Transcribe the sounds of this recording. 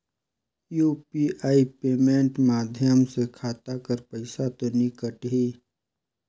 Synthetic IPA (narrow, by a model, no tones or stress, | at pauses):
juːpiʔaːipeːmẽːɳʈmaːd̪ʱjəmsekʰaːt̪akəɾpəɪsat̪onɪkəʈɦiː